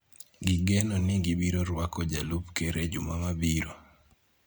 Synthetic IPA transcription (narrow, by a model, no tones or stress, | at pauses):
ɡiɡenoniɡibiɾoɾwakɔd͡ʒalupkeɾed͡ʒumamabiɾo